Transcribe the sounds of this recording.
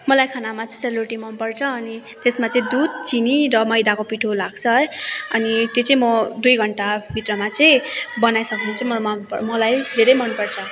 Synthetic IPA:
mʌlajkʰanamat͡sʌĩseloʈimʌnpʌrt͡sʰʌːni | t̪esmat͡sʌĩd̪ud̪̚t͡siniɾʌmʌjd̪akopiʈʰolaɡt͡sʰʌʌnit̪jot͡sʌĩmʌd̪ujɡʱʌɳʈabʱit̪rʌmat͡sʌĩbʌnajsʌknunt͡sʰumʌmʌnpʌmʌlajd̪ʱeɾʌjmʌnpʌrt͡sʰʌ

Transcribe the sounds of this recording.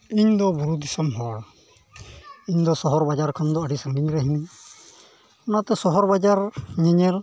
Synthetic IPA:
iɲd̪ɔbuɾud̪isɔmɦɔɹ | iɲd̪ɔsɔɦɔɾbad͡ʒaɾkʰand̪ɔəɽisaŋɡiɲɾaɦini | ɔnat̪ɛsɔɦɔɾbad͡ʒaɾɲɛɲɛɾ

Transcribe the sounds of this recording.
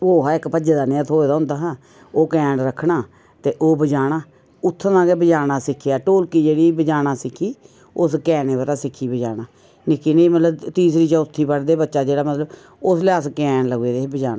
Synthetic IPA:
oːɦaɪkpəd͡ʒeːd̪aːnɪət̪ɦoːeːd̪aːʊnd̪aːɦaː | oːkɛ̃ːɳɾəkʰːɳaː | t̪eːʔoːbəd͡ʒaːɽaː | ʊt̪ʰːnãːɡeːbəd͡ʒaːɽaːsɪkʰːjaːʈoːlkiːd͡ʒeːɽiːbəd͡ʒaːɽaːsɪkʰːiː | ʊskɛːneːbəɾaːsɪkʰːiːbəd͡ʒaːnaː | nɪkʰːiːneimət̪ləbt̪iːsɾiːt͡ʃaːʊt̪ʰːiːpəɽd̪eːbətːʃaːd͡ʒeːɽaːmət̪ləb | ʊsleəskɛ̃ːɳləɡeːd̪eːbəd͡ʒaːnaː

